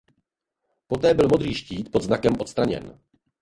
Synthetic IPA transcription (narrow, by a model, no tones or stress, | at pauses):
po̞t̪ɛːbɪlmo̞d̪ɾiːʃciːt̪po̞d̪znakɛmʔo̞t̪st̪ɾaɲɛ̰n